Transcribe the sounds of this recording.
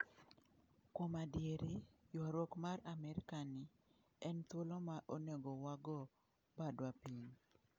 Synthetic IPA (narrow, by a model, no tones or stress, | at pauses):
komadjeɾijɔɾwɔkmaɾamɛɾɪkanɪ | ɛnt̪wolomaʔoneɡɔwaɡɔ | badwapiɲ